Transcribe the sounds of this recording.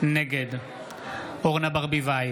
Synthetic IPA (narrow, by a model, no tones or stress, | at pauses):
neɡed̪ | oʁnabaʁbivaj